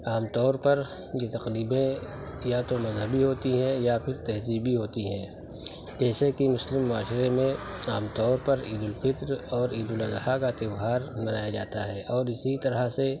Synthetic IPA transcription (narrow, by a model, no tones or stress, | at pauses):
aːmt̪ɔːɾpɐɾ | jet̪ɐqɾiːbẽ | jat̪omɐzɦəbiɦoːt̪iɦɛ̃japʰɪɾt̪ɛɦziːbiɦoːt̪iɦɛ̰̃ː | d͡ʒɛːsekimʊslɪmːʊaːʃɾemẽaːmt̪ɔːɾpɐɾiːd̪ʊlfɪt̪ɾɔːɾiːd̪ʊlɐzhakat̪ɪwɦaːɾmɐnaːjad͡ʒa̰ːt̪aɦɛːʔɔːɾɪsit̪ɐɾəse